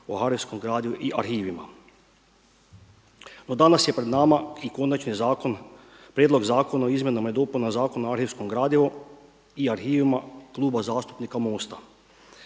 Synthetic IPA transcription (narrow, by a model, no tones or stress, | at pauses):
o̰haɾiʋskomɡɾaːd̪juʔiʔaɾxiːʋima̰ | no̞d̪anasje̞pɾe̞d̪namaiko̞nat͡ʃnizakon | pɾjeːd̪lˠo̞ɡzaːko̞naoizmje̞namajed̪o̞ːpunazaːko̞noaɾhiʋsko̞mɡɾaːd̪jeʋo | iaɾxiːʋimaklˠuːbazaːst̪u̥pnikamo̞ːst̪a